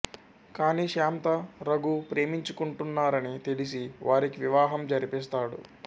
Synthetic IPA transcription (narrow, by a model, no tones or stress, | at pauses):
kaːniːʂaːmt̪ɐɾɐɡupɾe̞ːmiɲt͡ʃukuɳʈunːaːɾɐnit̪elis̬iʋaːɾikiʋiʋaːɦɐmd͡ʒɐɾipist̪aːɽṵ